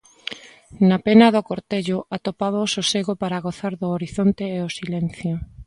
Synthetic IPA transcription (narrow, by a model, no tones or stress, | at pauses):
napenɐðʊkoɾt̪eʎʊʔat̪opaβaʊsoseɣopaɾaɣoθaɾðʊoɾiθont̪eːosilɛn̟θjo